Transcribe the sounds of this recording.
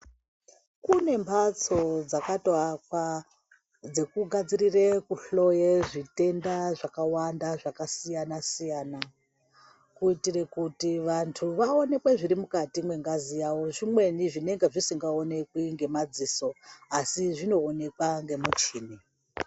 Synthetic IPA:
kune̞mbʰat͡so̞d͡zakatwakwa | d͡ze̞kuɡʱad͡zirirekuɬo̞jeʐite̞ndaʐakawandaʐakasijanasijana | kuitire̞kutiʋantʰuʋaone̞kweʐiɾimukatimwe̞ŋɡazijawo̞ʐimwe̞niʐine̞ŋɡeʐisiŋɡaone̞kwiŋɡe̞mad͡ziːso̞asiʐino̞ːne̞kwaŋɡe̞mut͡ʃiːni

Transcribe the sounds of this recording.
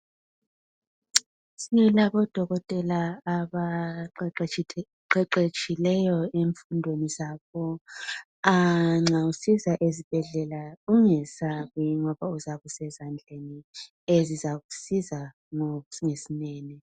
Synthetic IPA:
silaβɔd̥ʱɔɣɔtʼɛlaːβa | ǃɛǃet͡ʃʼilɛjɔeɱfundʱwenizaːβɔ | aŋ͡ǁausizaʔezib̥ʱɛɮɛlauŋɛsaɣwiŋɔβauzaβusɛzand͡ɮʱeni | ezizaɣusiza | ŋŋesinɛːni

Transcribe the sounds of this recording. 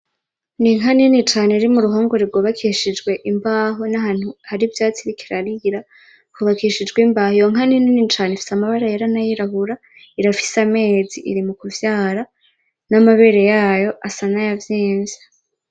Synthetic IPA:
niŋɦaninit͡ʃaːneɾimuɾuɦoːŋɡoɾiɾɡo̞ːβakʰiːʃid͡ʒɡwe̞ʔimbaːɦonaɦaːn̥huhaɾivjaːt͡siɾikʰiɾaɾiɾa | kuβakiʃid͡ʒɡwimbahojoŋɦanininit͡ʃaːnefi̥samaβaɾajaɾanajiɾaɦuɾa | iɾafi̥same̞ːziʔḭɾimukuvjaːɾa | namaβe̞ɾe̞jaːjo̞ʔasanajavjeːnzḁ

